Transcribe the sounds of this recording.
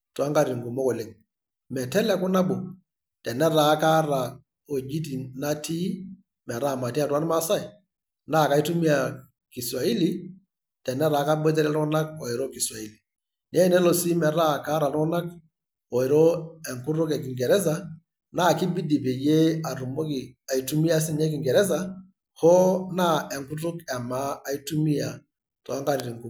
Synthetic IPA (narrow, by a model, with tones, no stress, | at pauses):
twa˦ŋka˦ɾi˨ŋɡu˨mo˦kɔ˨le˨ŋ | mɛ˨tɛ˦lɛ˦kʊ˦na˦bo˨ | tɛ˨nɛ˦ɾa˨˦ka˦ɾa˨ | o˨d͡ʒi˦t̬i˨na˦tʰi˦ | mɛ˨ɾa˦˨ma˨tːa˨twa˦n˦ma˦sa˦i˨ | naː˦˨ka˨i˦tu˦mi˦a˨ | ki˨sa˨i˦li˦ | tɛ˨nɛ˦ɾaː˨˦ka˦bɔ˦t̬ɛ˦lɛ˦lɔ˦na˦k̚ɔ˨e˨ɾɔ˦ki˨swa˨i˦li˨ | ne˦nɛ˦lɔ˨si˦mɛ˨ɾa˦˨ka˦ɾa˨lɔ˦na˦k | ɔ˨i˨ɾɔ˦ɛ˨ŋkʊ˦tʊ˦kɛ˨k̬ɪ˨ŋɡɛ˨ɾɛ˦s̬a˦ | na˦˨ki˦bi˦di˨be˨je˦a˨ɾu˨mo˦ki˨a˨i˨tu˦mi˦a˦s̬ɪ˦nɛ˦k̬ɪ˨ŋɡɛ˨ɾɛ˦s̬a˨ | hɔ˦na˦ɛ˨ŋkʊ˦tʊ˦kɛ˨ma˦a˦i˦tu˦mi˦a˨ | tɔ̰˨a˦ŋɡa˦ɾi˨ɾi˨ŋku˦